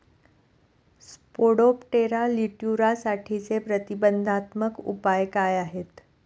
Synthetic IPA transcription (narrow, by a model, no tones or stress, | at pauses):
spoɽopʈeɾaliʈjuɾasaʈʰit͡sepɾət̪ibənd̪ʱat̪məkṵpajkajaɦet̪